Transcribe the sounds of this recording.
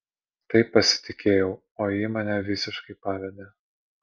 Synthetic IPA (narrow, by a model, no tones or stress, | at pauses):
t̪ɐɪpːɐsʲɪ̥t̪ʲɪkʲʰeːjɛʊ | oːjiːmɐnʲɛʋʲɪsʲɪʃkɐɪpɑːʋʲɛd̪ʲeː